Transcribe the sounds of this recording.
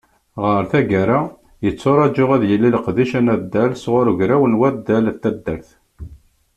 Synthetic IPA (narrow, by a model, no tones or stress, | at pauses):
ʁəɾθæɡæɾa | jət͡sːoɾˤɑd͡ʒʊʁæðjəlːilqðiʃænæd̪ːælsʁʊɾʝɾæwənwæd̪ːælt̪æd̪ːəɾθ